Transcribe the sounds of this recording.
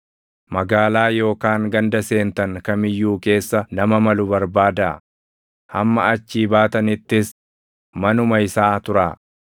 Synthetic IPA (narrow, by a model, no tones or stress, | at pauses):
mɐɡaːlaːjo̞ːkaːŋɡɐnd̪ɐse̞ːnt̪ɐŋkɐmɪjːuːke̞ːsːɐnɐmɐmɐlʊbɐɾbaːd̪aː | hɐ̰mːɐ̰ɐt͡ʃːiːbaːt̪ɐnɪt̪ːɪs | mɐnʊmɐɪsaːt̪ʊɾaː